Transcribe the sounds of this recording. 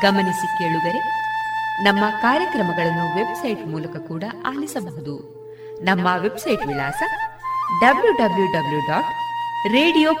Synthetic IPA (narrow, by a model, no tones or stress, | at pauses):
ɡɐmɐnisike̞ːɭud̪ɐɾe̞ | nɐmːɐkaːɾjɐkɾɐmɐɡɐɭɐnːuʋe̞bsɐjʈmuːlɐkɐkuːɽɐaːlisɐbɐɦud̪u | nɐmːɐʋe̞bsɐjʈʋilaːsɐɖɐbljuɖɐbljuɖɐbljuɖaːkɾeːɽijoː